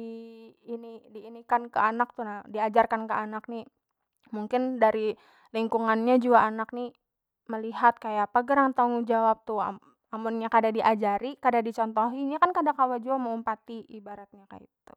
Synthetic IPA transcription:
iːnidiːnikankəanak̚t̪unadiad͡ʒarkankəanak̚ni | muŋkɪndaɾi | liŋkuŋanɲad͡ʒuaːnak̚ni | məliɦat̪̚kajapaɡəɾaŋt̪aŋud͡ʒawap̚t̪u | amʊnɲakadadiʔad͡ʒaɾikadadit͡ʃɔnt̪ɔɦiɲakankadakawad͡ʒuamaumpat̪iːbaɾat̪̚ɲaka̰ḭt̪u

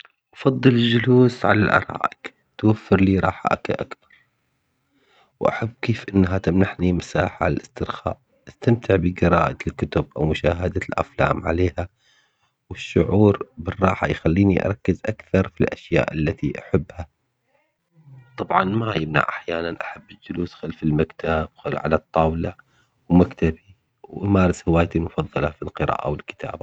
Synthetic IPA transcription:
ʔɑfɑd̪ˤːɨlɪld͡ʒʊluːsʕa̰lalʔɑ̰ɾˤɑ̰ːʔɪk | t̪wafːɪɾliːɾˤɑːħa̰ʔakaʔakθɑ̥ɾˤ | wʔa̰ħabːkeːfʔɪnːɦat̪amnaħnimasaːħalʔɪst̪ɪɾxa̰ːʔ | ʔast̪amt̪ɪʕbɪɡɨɾɑːʔalkʊt̪ʊb̚ʔawmʊʃaːɦad̪alʔa̰fla̰ːmʕa̰leːha | wɪʃːʊʕuːɾbɪrˤːɑːħajxalːiːniʔɑ̰ɾˤɑkːɪzʔakθɑɾˤfilʔaʃja̰ːʔalːat̪iʔaħɪbːha | t̪ˤɑbʕɑnmajɪmna̰ʕʔaħjaːnanʔaħabːɪld͡ʒʊluːsxalfɪlmakt̪ʰabwxalʕa̰lat̪ˤːɑːwla | wmakt̪abi | wʔamaːɾɪshawaːjt̪ilmʊfɑðˤːɑlɑfilqɨɾɑ̰ːʔa̰wɪlkɪ̥t̪ʰa̰ːba

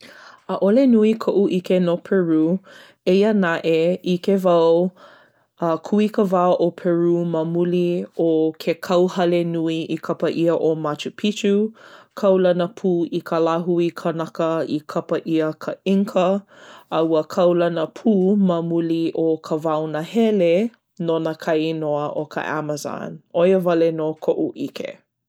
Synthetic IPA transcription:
əʔolenuikʰoʔuʔikenopʰɛɹu | ejənaʔeikevɐw | əkʰuikəvaoʔopʰɛɹumɐmuliokʰekʰɐwhɐlenuiʔikʰɐpəʔiəʔomat͡ʃupʰit͡ʃukʰɐwlɐnəpʰuːikʰəlaɦuikʰənɐkəikʰɐpəʔiəkʰəiŋkʰəɐwəkʰɐwlɐnəpʰuːmɐmuliʔokʰəvawnɐhɛle | nonakʰɐjnoɐʔokʰa̰ʔa̰məza̰nojəvɐlenokʰoʔuʔikḛ

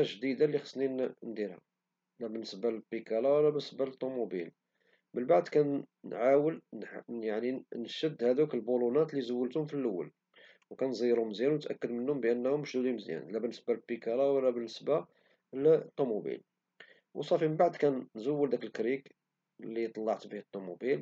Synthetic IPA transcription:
æʒd̪id̪alːixɑ̥sninnd̪iɾhæ̰ | læbənːəsbalbikælawlːæbənəsbalt̪ˤːumubḭl | mənbaʕd̪kæn | nʕawəlnjaʕninʃəd̪ːhæd̪ukəlbulunæt̪lizʊwːəlt̪ʊmfilʔʊwːə̰l | wkænzˤijɾhʊmzjænwnət̪ʔæ̰kːəd̪mənːʊmbəʔənːhʊmːʃd̪ud̪imzjæ̰nlæbənːəsbalbikælæwlːæbənːəsba | lt̪ˤːumubḭl | wsˤɑfimənbaʕd̪kænːzʊwːəld̪ækəlkɾik | lːit̪ˤɑlːɑʕt̪bihət̪ˤːumubil

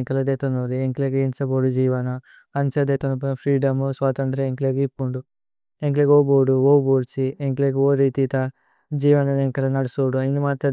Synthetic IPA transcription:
ŋkɐlɐd̪eːt̪onoːlieŋkleːɡieɲt͡ʃɐboːɽud͡ʒiːʋɐnɐ | ɐɲt͡ʃɐd̪et̪onɐpɐnpʰɾiːɖɐmsʋaːt̪ɐnt̪ɾɐeŋkleɡipːuɳɖu | eŋk̬leɡoboːɖuoːbuːɾt͡ʃieŋkleːɡioːɾiːt̪it̪ɐ | d͡ʒiːʋɐnɐneŋkɐlɐnɐɽisoːɖuɐjinimaːt̪ɐ

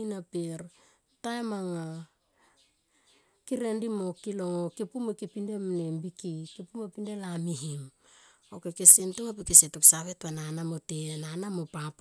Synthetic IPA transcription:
inapeɾ | taemaŋa | kiɾendimokiloŋokipumekipindemnembikikipumepindelamiɦim | okekesentuŋapikesetoksaβetβananamotenanamopap

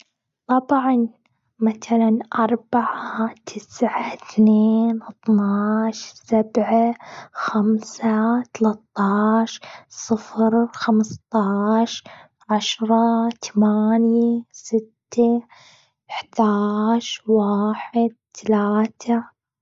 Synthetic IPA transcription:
t̪ˤɑbʕan | maθalanʔɑɾˤbaʕaat̪ʰɪsʕaθneːnt̪ˤnɑːʃsabʕaxamsat̪alat̪ˤːɑːʃsˤɨfɾxamst̪ˤɑːʃ | ʕaʃɾˤɑt̪amaːnjasɪt̪ːa | ɪħd̪aːʃwaːħɪd̪̚t̪alaːt̪ʰa

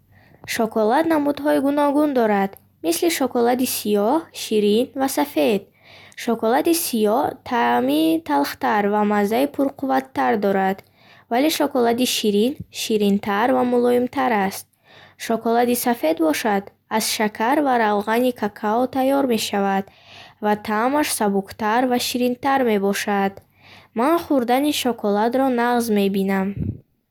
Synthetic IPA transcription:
ʃɔkʰɔlat̪namud̪ɦɔiɡunɔɡund̪ɔɾad̪̥ | misliʃɔkɔlad̪isijɔhʃiɾinvasafe̞d̪̥̚ | ʃɔkɔlat̪isijɔht̪ʰamit̪ʰalχt̪aɾvamazːaipʰuɾqʰuvat̪ʰːaɾd̪ɔɾad̪̥ | vale̞ʃɔkɔlad̪iʃiɾinʃiɾint̪ʰaɾvamulɔimt̪ʰaɾast̪̚ | ʃɔkɔlad̪isafe̞d̪̚bɔʃad̪ | az̥ʃakʰaɾvaɾavʁanikʰakʰaɔt̪ʰajɔɾme̞ʃavad̪̥ | vat̪ʰamaʃsabukt̪aɾvaʃiɾint̪aɾme̞bɔʃad̪ | manχuɾd̪aniʃɔkʰɔlad̪ɾɔnaʁzme̞binam

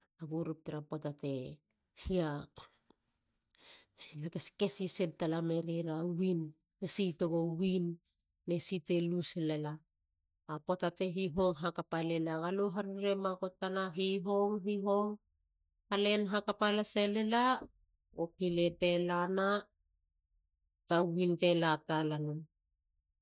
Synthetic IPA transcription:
aɡuɾup̚teɾapotate | hia | hiakeskesisedtalameɾiɾawin | esitoɡowinː | esite̞luselelaː | potate̞ɦiɦo̞ŋɦakapalelaɡaloɦaɾiɾe̞mako̞tːanaɦiɦo̞ŋɦiɦo̞ŋ | hale̞nɦakapalaselela | opile̞te̞lana | tawinte̞latalanan

